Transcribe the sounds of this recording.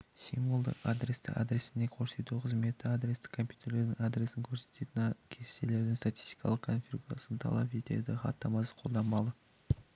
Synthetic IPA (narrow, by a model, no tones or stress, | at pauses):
simulˠd̪ə̰qa̰d̪ɾe̞st̪ɪ̰ʔa̰d̪ɾe̞sɪnd̪e̞kʰo̞ɾse̞t̪uqʰəzme̞t̪ːɪad̪ɾʲe̞st̪ɪ̥kʰːo̞mpʲju̥t̪ʰe̞ɾle̞ɾd̪ɪŋad̪ɾe̞sɪŋkʲʰɵɾse̞̥t̪e̞t̪ɪnkʲʰe̥t̪e̞le̞ɾd̪ɪŋst̪at̪i̥st̪i̥kɑ̰lˠəqkʰonfʲiɾɡuɾa̰sənt̪ʰɑ̰lˠɑpe̞t̪e̞̰d̪ɪχɑ̰t̪ːɑmɑsə̥qʰo̞lˠd̪ɑmɑlˠə